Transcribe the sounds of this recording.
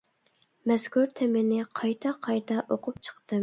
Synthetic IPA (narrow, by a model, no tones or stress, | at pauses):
mɛskʰuɾt̪ʰemɪnɪqʰɑjt̪ʰɑqʰɑjt̪ʰɑʔoqʰʊpt͡ʃʰə̥qt̪ɨ